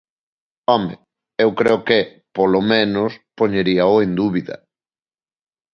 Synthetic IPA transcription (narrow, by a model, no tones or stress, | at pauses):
ɔmḛ | ewkɾeoke | polomẽnʊspoɲeɾiɐoend̪uβiðɐ̰